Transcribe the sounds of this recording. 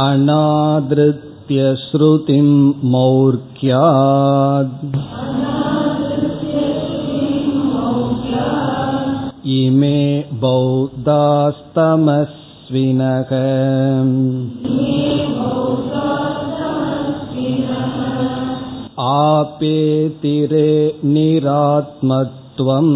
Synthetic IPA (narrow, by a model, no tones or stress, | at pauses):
ɐnaːd̪ɾɪt̪jɐʃɾut̪imːɐwɾkjaːd̪ɐnaːd̪ɾɪt̪jɐsɾt̪imɐwkja | imeːbɐwd̪aːst̪ɐmɐs | ʋinɐɣɐ | meːbɐwd̪aːst̪ɐmɐsʋinɐɦɐ | aːpeːt̪iɾeːniɾaːt̪̚mɐt̪ːʋɐm